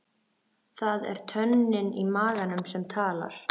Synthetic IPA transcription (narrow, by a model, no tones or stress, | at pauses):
θaðɛ̰ɾ̥t̪ʰœnːɪnimaːɣanʏmsɛmt̪ʰaːla̰ɾ̥